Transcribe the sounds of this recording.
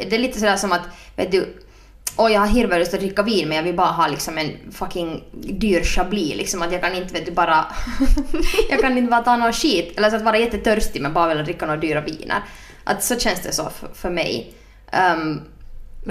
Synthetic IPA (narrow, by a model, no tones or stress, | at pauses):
d̪ɛːɭiːt̪əsɔd̪æːʂɔmat̪vḛːt̪̚d̪ʉ | ʔɔjɑhaɾɦɪɾvɛɾəst̪ɔt̪ɾɪkːaviːnmɛnjɑːʋɪlbɑːɾaɦɑːlɪksɔmɛnfɑkɪŋd̪yːɾʂɑbliːlɪ̰ksɔmat̪jɑːɡkanɪnt̪ːəveːt̪̚d̪ɵbɑːɾa | jɑːɡkanɪnt̪əbɑːɾat̪ʰɑːnɔʃiːt̪ɛlːəɾsɔat̪vɑːɾajɛt̪ːət̪ʰœɾst̪ɪmɛnbɑːɾavɪlːad̪ɾɪkːanoːad̪yːɾavḭːnʔa̰ɾ | ʔa̰t̪sɔɕɛnsd̪ɛsɔ̰ffœɾmɛ̰j